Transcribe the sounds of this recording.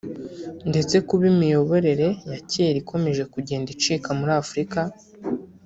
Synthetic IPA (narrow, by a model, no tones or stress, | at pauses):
nde̞t͡se̞kuβimijo̞βo̞ɾe̞ɾe̞jaceɾikʰo̞me̞ʒe̞kuɟe̞ːndit͡ʃiːkamuɾaːfuɾika